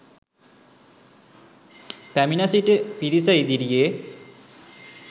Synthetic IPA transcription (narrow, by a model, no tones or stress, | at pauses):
p̪æminɐsiʈəpiɾisajd̪iɾijeː